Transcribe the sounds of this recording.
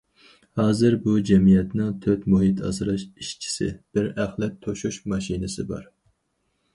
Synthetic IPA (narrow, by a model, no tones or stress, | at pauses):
hɑːzɨɾbud͡ʒɛmijɛt̪nɪŋt̪ʰøt̪muɦit̪ʰɑ̰zɨɾɑʃiʃt͡ʃʰi̥sɪ̰b̥ɪɾæχlˠɛt̪ʰːoʃuʃmɑʃinɨsɪbɑ̰ɾ